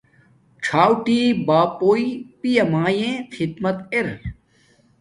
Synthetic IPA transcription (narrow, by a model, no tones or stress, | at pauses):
ʈ͡ʂʰaːwʈiːbaːpoːipijɐmaːjẽxʰid̪mɐt̪eɾ